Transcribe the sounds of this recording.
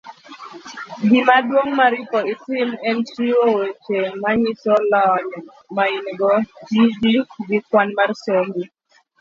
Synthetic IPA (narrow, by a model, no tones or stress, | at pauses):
ɡimadwoŋmaɾɪpɔɪtɪmɛnʃiwowet͡ʃemaɲisɔlɔɲɔ | maɪnɡɔd͡ʒid͡ʒikɡɪkwanmarsombi